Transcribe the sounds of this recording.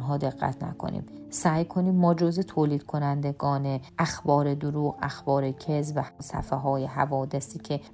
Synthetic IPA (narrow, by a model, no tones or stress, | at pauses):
nɦɒːd̪e̞ɣːæ̰t̪ʰnæ̰kʰo̰nḭːmsæːjkʰo̞niːmmɒːd͡ʒozet̪ʰoːliːd̪̥̚kʰo̞nænd̪eɡɒːneʔæxbɒːɾed̪oɾuːɣæ̰xbɒːɾecʰezvæhsæ̰feɦɒːjeɦævɒːd̪esiːcʰe̞